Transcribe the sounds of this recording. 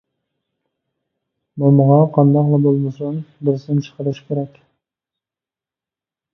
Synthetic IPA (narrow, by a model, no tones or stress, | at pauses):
momʊʁɑqʰɑnd̪ɑqlˠɑbolˠmɨsuŋbɪɾsɪɪmt͡ʃʰə̥qəɾɨʃkʲeɾɛkʲ